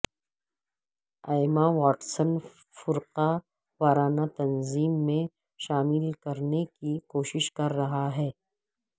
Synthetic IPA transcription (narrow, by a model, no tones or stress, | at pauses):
aːɪmawaːʈsən | fʊɾqa | waːɾaːnat̪ɐnziːmːẽ | ʃaːmɪlkɐɾnekikoːʃɪʃkɐɾːɐɦaɦɛː